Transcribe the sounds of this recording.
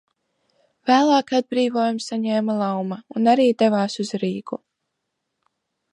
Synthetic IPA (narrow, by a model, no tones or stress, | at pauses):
væːlˠaːkad̪̚bɾiːvoːjumsaɲɛːmalˠawmaunaɾiːd̪evaːsuzɾiːɡu